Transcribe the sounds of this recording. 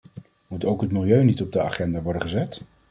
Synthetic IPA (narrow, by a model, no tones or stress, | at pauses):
mutowkɦətmɪlˠjøɥnitɔb̚dəa̰χɛndaʋɔɹdənχəzɛt